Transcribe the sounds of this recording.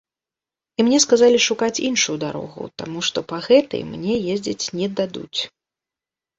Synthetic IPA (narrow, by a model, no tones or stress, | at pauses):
imnʲɛskazalʲiʂukat͡sʲinʂujud̪aɾɔ̰ɣṵt̪a̰muʂt̪ɔpaɣɛt̪ɐɨ̰jmnʲɛjezʲd͡zʲit͡sʲnʲɛd̪ad̪ṵt͡sʲ